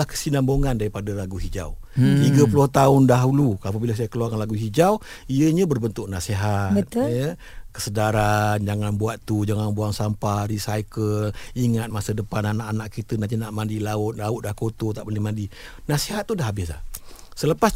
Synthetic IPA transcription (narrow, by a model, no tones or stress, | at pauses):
ahkə̥sinamboŋandaɾipadalaɡuɦid͡ʒa̰w | t̪iɡəpulʊht̪aʊndaɦuluap̬əbiləs̬ajakəluarkanlaɡuɦid͡ʒaw | iəɲãbərbənt̪ʊk̚naseɦabət̪̚ə | kə̥sədaɾand͡ʒaŋanbuat̪ːud͡ʒaŋaŋbuaŋsampaɾisajkəliŋat̪̚masədəpananaʔanaʔkit̪ənat̪̬inaʔmãndilaʊt̪̚laʊt̪̚dahkot̪ot̪aʔbolɪmandinaseɦat̪ːudaɦabɪs̬a̰hsələpas